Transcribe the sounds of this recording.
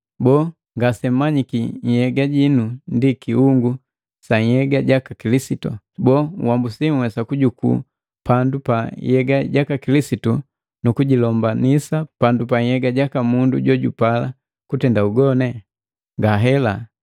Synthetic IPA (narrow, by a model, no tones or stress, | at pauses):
bɔː | ŋɡasɛm̩maɲikiɲ̩hɛɡaɟinundikiuŋɡu | saɲhɛɡaɟakakilisitṵ | bɔŋ̰wambusiŋwɛsakuɟukṵː | pandupa̰jɛɡaɟakakilisitu | nukuɟilɔmbanisapandupaɲhɛɡaɟakamunduɟɔɟupala̰ | kutɛndauɡɔnɛ | ŋɡaɦɛla